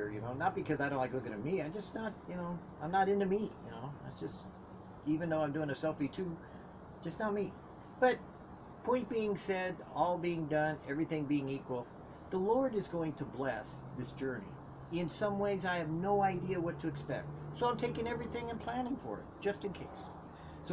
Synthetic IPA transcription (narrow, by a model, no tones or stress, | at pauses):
ə˞jɨ̰noʊnət̚b̥ɨkʰʌzaɪɾõʊ̃nlɪklʊkɨ̃ɾ̃ɨmiãɪd͡ʒʌsnət̚jɨnoʊãɪ̃mnəɾɪ̃ntɨmijɨ̰noʊðæ̰tsd̥ʒ̥ʌst | ivɨ̃nðoʊãɪ̃mdʉɪ̃ŋɨsɛlˠfitʰʉ | d̥ʒ̥ʌsnət̚mi | b̥ʌt̚ | pʰɔ̃ɪ̃t̚b̥iɪ̃ŋsɛɾɔlˠbiɪ̃ŋdʌ̃nɛvɹiθɪ̃ŋbiɪ̃ŋikwl̩ˠ | ðəlɔɹɾɨzɡoʊɪ̃ŋtʰəblɛs | ðɪsd̥ʒ̥ɜ˞nḭ | ɪ̃nsʌ̃mweɪzaɪɨvnoʊaɪdiɨwʌtʰɨːkspɛ̰k̚t̚soʊãɪ̃mtʰeɪkɪ̃ŋɛvɹiθɪ̃ŋɨ̃npʰl̥æ̃nɪ̃ŋfə̰˞ɨ̰t̚d̥ʒ̥ʌstɨ̃nkʰeɪs | so